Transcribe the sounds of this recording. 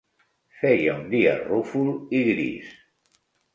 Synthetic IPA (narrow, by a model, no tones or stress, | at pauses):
fejaund̪ia̰rufuliɣɾḭs